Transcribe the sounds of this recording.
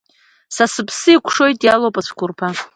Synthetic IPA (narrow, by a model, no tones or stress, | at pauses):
sasɨpʰsɨikʷʰʂo̞jtʼjalowpʼasʰkʰʷʊrpʰa